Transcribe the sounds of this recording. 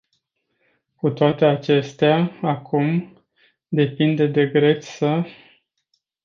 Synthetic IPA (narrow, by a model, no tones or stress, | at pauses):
kut̪oat̪e̞at͡ʃe̞st̪eaakʰum | d̪e̞pind̪ed̪e̞ɡɾe̞t̪ssə